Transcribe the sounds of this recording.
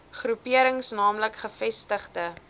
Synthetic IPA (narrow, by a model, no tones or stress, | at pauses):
χrupiəɾəŋsnɑːmləkχəfɛstəχdə